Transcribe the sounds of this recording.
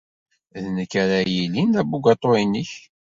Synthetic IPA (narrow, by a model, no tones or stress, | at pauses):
ðnəkːaɾajilind̪æbuɡɑt̪ˤːoinəç